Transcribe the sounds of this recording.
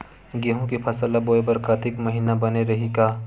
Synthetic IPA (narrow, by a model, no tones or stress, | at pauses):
ɡeɦõkipʰɐsəlaboːebɐɾkat̪ɪkmɐɦiːnabɐneɾɐɦikaː